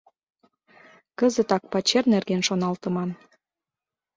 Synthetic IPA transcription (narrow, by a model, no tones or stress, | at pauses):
kəzət̪ɑk̚pɑt͡ɕernerɣenʃonɑlt̪ə̆mɑm